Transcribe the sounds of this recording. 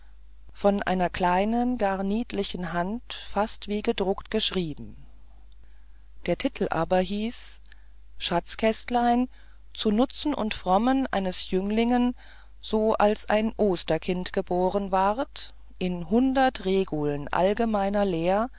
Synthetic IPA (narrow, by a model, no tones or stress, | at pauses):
fɔnʔa̰ɪnɐkl̥aɪnənɡaɐniːtlɪçn̩ɦantfastv̥iːɡədʁʊktɡ̥əʃʁ̥iːbm̩ | d̥eːɐtʰɪtʰl̩ʔa̰ːbɐɦiːs | ʃat͡skʰɛstlaɪn | t͡sunʊt͡sn̩ʔʊ̰ntfʁ̥ɔmənʔa̰ɪnəsjʏŋlɪŋən | z̥oːʔalsʔa̰ɪnʔoːstɐkʰɪntɡ̥əboːʁənvaʁt | ʔɪnɦʊndɐtʁeːɡulnʔa̰lɡəmaɪnɐleːɐ